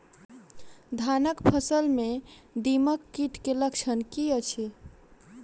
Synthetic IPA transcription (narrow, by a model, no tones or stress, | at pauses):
d̪ʱanəkpʰəsəlmed̪iməkːiʈkeləkt͡ʃʰənkiət͡ʃʰe